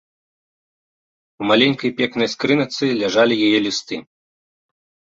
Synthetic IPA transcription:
wmalʲɛnʲkɐjpʲɛknɐjskɾɨnɐt̪sɨlʲaʐalʲijajɛlʲist̪ɨ

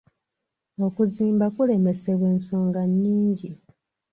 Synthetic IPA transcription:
o̞kuziːmbakule̞me̞se̞βwe̞ːnso̞ːŋɡanːiːɲɟi

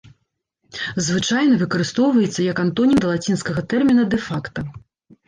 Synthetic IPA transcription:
zvɨt͡ʂajnɐvɨkɐɾɨst̪ɔwvɐjɛt̪sːɐjɐkant̪ɔnʲimd̪ɐlˠat͡sʲinskɐɣɐt̪ɛrmʲinɐd̪ɛfakt̪ɐ

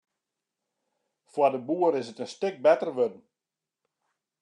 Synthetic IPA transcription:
fwadəbuəɾɪsətənstɪk̚bɛtərʋødn̩

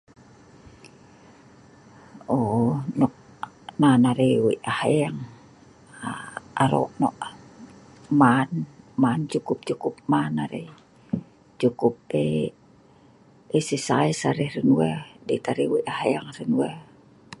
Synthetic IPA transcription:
onɔʔ | nanaɾewḭʔahajaŋ | aɾo̰ʔnɔʔ | manmant͡ʃukup̚t͡ʃukup̚manaɾḛ | t͡ʃukup̚e | esisaisaɾɛhrənuwɛdet̪aɾewiʔahajaŋrənuɛ

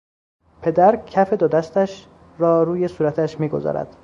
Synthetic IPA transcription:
pʰe̞d̪æɾcʰæfe̞d̪od̪æst̪æʃ | ɾɒːɾuːje̞suːɾæt̪ʰæʃmiːɡo̞̰zɒ̰ːɾæ̰d̪̥

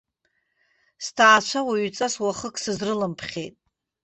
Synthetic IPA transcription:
stʰaːt͡ʃʷʰawaɥt͡sʼaswaχəkʼʰsɨzrɨlɨmpʰχʲḛjtʼ

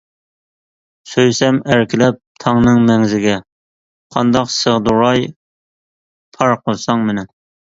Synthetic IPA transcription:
søjsɛmæɾkʲʰɪlɛp̚tt̪ʰɑŋnɨŋmɛŋzɪɡʲɛ | qʰɑnd̪ɑqsəʁd̪uɾɑj | pʰɑɾqʰolˠsɑŋmɪnɛn

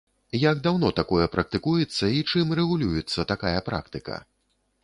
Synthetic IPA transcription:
jaɡd̪awnɔt̪akɔjɛpɾɐk̚t̪ɨkujɛt̪sːɐit͡ʂɨmrɛɣulʲujɛt̪sːɐt̪akajɐpɾa̰kt̪ɨkɐ̰

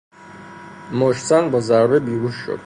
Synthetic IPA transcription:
mɔʃt̪sanbɔzaɾvɛbiuʃːɔ̰

